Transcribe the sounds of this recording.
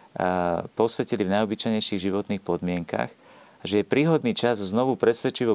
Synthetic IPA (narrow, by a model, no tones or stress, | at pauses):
pɔsʋɛcilivnajɔbit͡ʃajɲɛjʃiɣʒiʋɔt̪niːxpɔd̪mɪɛŋka̰x | ʒɛjɛpɾiːɦɔd̪niːt͡ʃazznɔʋupɾɛsʋɛt͡ʃiʋɔ